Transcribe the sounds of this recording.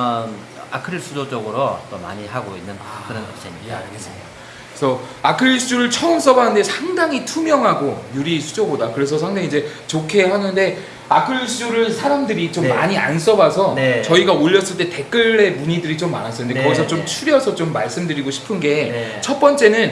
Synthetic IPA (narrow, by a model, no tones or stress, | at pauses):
a̰kʰɯɭs͈ʰudod͡ʑʌɡɯɾot͈oma̰ɲihaɡoinːɯnak͈ɯɾʌnɡʌɕʰiɲiea̰ɭɡe̞s͈ɯmida | sʰʌakʰɯɭːisʰuɾɯɭt͡ɕʰʌɯms͈ʰʌbanɯnde̞sʰaŋdaŋitʰumjʌŋɦaɡojuɾisʰud͡ʑobodakɯɾe̞s̬ʰʌsʰaŋdaŋid͡ʑe̞ | t͡ɕokʰe̞hanɯnde̞ | akʰɯɭːisʰuɾɯɭsʰaɾamdɯɾit͡ɕommːa̰ɲia̰ns̬͈ʌbasʰʌnet͡ɕʌiɡaoʎːʌs͈ɯɭt͈e̞te̞k͈ɯɭːe̞muɲidɯɾit͡ɕomːa̰nas͈ɯnd̪ekʌɡis̬ʰʌt͡ɕomt͡ɕʰuɾjʌsʰʌt͡ɕomːaɭs͈ɯmdɯɾiɡoɕʰi̥pʰɯnɡe̞t͡ɕʰʌt̚p͈ʌnt͡ɕ͈e̞nɯn